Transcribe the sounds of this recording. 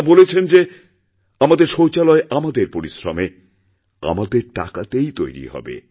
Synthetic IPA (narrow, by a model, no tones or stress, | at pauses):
bolet͡ɕʰend͡ʑe | amad̪eɾʃot͡ɕalɔeʔamad̪eɾpoɾisɾo̰me | a̰mad̪eɾʈa̰kat̪ejt̪ojɾḭɦɔ̰bḛ